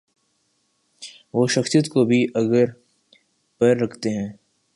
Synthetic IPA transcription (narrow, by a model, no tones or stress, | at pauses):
ʋoːʃɐxsijət̪kobʱiʔɐɡəɾ | pɐjɾːɐkʰt̪eɦɛ̃ː